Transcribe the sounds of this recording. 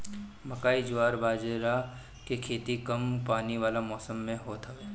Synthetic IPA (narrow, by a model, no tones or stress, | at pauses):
mɐkaːid͡ʒʊʋaːɾbʱaːd͡ʒɾa | kekʰeːt̪ikɐmpaːniʋaːlamɔːsəmːẽɦoːt̪ɐeː